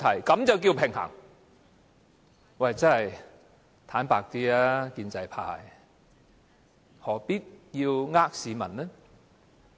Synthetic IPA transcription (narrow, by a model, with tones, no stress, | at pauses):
t̪ʰɐ˨˩jkɐ˨˥mt͡sɐ˨wki˧wpʰɪ˨˩ŋha̰ː˨˩ŋ | wɐ˨˧˩jt͡sɐ˥ɐ˨˩j | t̪ʰaː˨˥npaː˧k̚t̪iː˥aː˦˥kiː˧nt͡sɐ˧jpʰa̰ː˧j | hɔː˨˩piː˥t̚ji˧wŋaː˥k̚siː˨˧˦mɐ̰˨˩nnɛ˥